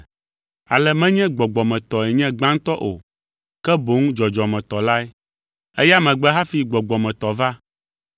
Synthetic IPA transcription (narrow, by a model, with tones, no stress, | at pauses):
a˨lɛ˦mɛ̃˦ɲɛ̃˦ɡ͡bɔ˨ɡ͡bɔ˨mɛ̃˨t̪ɔ˨ɛ˨ɲɛ̃˦ɡ͡bã˦ŋ˦t̪ɔ˦ʔo̰˨ | kɛ˦bo˨˦ŋũ˦d͡ʒɔ˨d͡ʒɔ˨mɛ̃˨t̪ɔ˨la˦ɛ˦ | ɛ˦ja˦mɛ̃˨ɡ͡bɛ˦ɦa˦fi˨ɡ͡bɔ˨ɡ͡bɔ˨mɛ̃˨t̪ɔ˨va˦